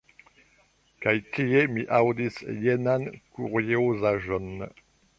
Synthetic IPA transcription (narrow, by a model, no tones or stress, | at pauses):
kajtʰijemiʔawd̪isjenankuʁjeuzaʒɔn